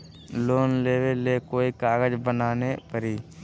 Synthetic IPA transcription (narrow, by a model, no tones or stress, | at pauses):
loːnleːwelekoːikaːɡəd͡ʒbənaːnepəɾiː